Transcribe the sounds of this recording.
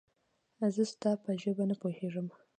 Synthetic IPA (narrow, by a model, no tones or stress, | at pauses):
zəst̪ɑpəʒəbanəpoheʐəm